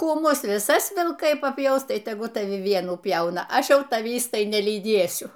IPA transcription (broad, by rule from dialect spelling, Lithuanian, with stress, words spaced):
ˈkuː ˈmʊs ʋʲɪˈsɐs ʋʲɪlˠˈkɐɪ pɐˈpʲjɛʊs ˈtɐɪ tʲɛˈɡʊlˠ tɐˈʋʲɪ ˈʋʲiɛnuː ˈpʲjɛʊnɐ ˈɐʃ ˈjɛʊ tɐˈʋʲiːs ˈtɐɪ nʲɛlʲiːˈdʲeːsʲʊ